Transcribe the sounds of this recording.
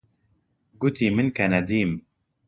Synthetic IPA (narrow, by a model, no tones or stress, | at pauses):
ɡʊt̪iːmɨnkɛnɛd̪iːm